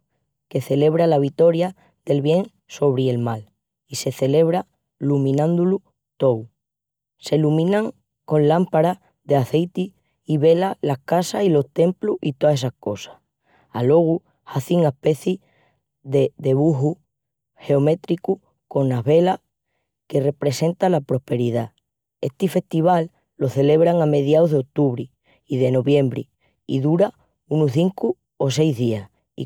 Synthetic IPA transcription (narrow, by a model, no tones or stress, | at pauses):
ke̞θe̞le̞β̞ɾalaβ̞it̪o̞ɾja | ðe̞lβje̞ŋ | so̞β̞ɾie̞lmal | ise̞θe̞le̞β̞ɾa | lumĩnãnd̪ulu | t̪o̞w | se̞lumĩnãŋ | ko̞nlampaɾa | ðeaθe̞jt̪i | iβe̞lalahkasahilo̞ht̪e̞mpluit̪oae̞s̬ahko̞sḁh | alo̞ɣ̞u | haθiŋape̞θi | ðeðe̞βuɦu | he̞ome̞t̪ɾiku | ko̞nnaβe̞la | ke̞repɾe̞se̞nt̪alapɾo̞hpe̞ɾiða | e̞̰ht̪ife̞ht̪iβ̞alː | o̞θe̞le̞βɾaŋame̞ð̞jauðo̞k̚t̪uβɾi | iðe̞no̞βje̞mbɾḭ | ḭðuɾa | unuθiŋku | o̞s̬e̞jzðias | ḭ